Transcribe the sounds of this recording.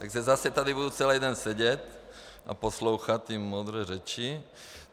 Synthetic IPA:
t̪aɡʒɛzasɛt̪ad̪ibud̪ut͡sɛlɛːd̪ɛnsɛɟɛt | ʔa̰pɔsloʊxat̪ːimmɔd̪ɾɛːɾɛt͡ʃi

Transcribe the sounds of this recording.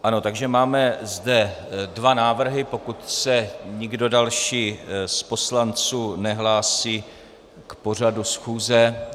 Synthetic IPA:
ʔano̞t̪aɡʒɛmaːmɛzdɛdvanaːvr̩ɦɪpo̞kut̪sɛɲɪɡdo̞dalʃiːspo̞slant͡suːnɛɦlaːsiː | kpo̞r̝adusxuːzɛ

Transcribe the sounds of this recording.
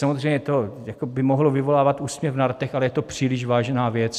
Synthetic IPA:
samozr̝ɛjɲɛt̪ojakobɪmoɦlovɪvo̞laːvat̪uːsmɲɛfvnaɾt̪ɛxalɛjɛt̪o̞pr̝̥iːlɪʃvaːʒnaːvjɛt͡s

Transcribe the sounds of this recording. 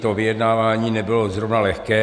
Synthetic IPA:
t̪ovɪjɛdnaːvaːɲiːnɛbɪlozɾovnalɛxkɛː

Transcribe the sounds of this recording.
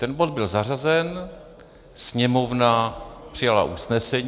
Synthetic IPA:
t̪ɛnbo̞d̪̚bɪlzar̝azɛn | sɲɛmo̞vnapr̥ɪjala̰ʔusnɛsɛɲ

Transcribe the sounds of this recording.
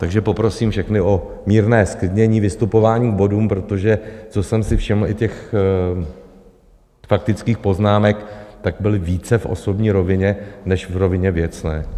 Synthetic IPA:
t̪aɡʒɛpo̞pɾo̞siːmfʃɛxnɪo | miːɾnɛːsklɪdɲɛɲiːvɪst̪upo̞vaːɲiːɡ̚bo̞duːmpɾo̞t̪o̞ʒɛt͡so̞sɛmsɪfʃɪml̩ɪcɛx | fak̚t̪ɪt͡skiːxpo̞znaːmɛkt̪aɡ̚bɪlɪviːt͡sɛfʔo̞̰so̞bɲiːɾo̞vɪɲɛnɛʃvɾo̞vɪɲɛvjɛt͡snɛː

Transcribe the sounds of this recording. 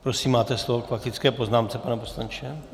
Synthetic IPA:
pɾosiːmːaːt̪ɛslovokfaxɪt͡skɛːpo̞znaːmt͡sɛpanɛposlant͡ʃɛ

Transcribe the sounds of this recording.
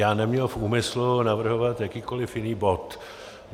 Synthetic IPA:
jaːnɛmɲɛlfuːmɪslunavr̩ɦovat̪jakiːkolɪfjɪniːbot̪

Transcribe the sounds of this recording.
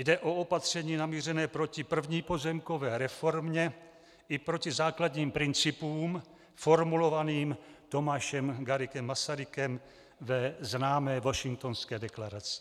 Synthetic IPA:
jdɛʔo̞o̞pat̪r̝̥ɛɲiːnamiːr̝ɛnɛːpɾo̞cɪpr̩vɲiːpo̞zɛmko̞vɛːɾɛfo̞ɾmɲɛ | ʔɪpɾo̞cɪzaːkladɲiːmpɾɪnt͡sɪpuːm | fo̞ɾmulo̞vaniːmt̪o̞maːʃɛmɡaɾɪkɛmːasaɾɪkɛm | vɛznaːmɛːvo̞ʃɪŋk̚t̪o̞nskɛːdɛklaɾat͡sɪ̥

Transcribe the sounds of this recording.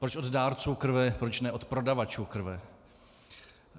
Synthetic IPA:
pɾot͡ʃod̪daːɾt͡suːkr̩vɛpɾot͡ʃnɛot̪pɾo̞davat͡ʃuːkr̩vɛ

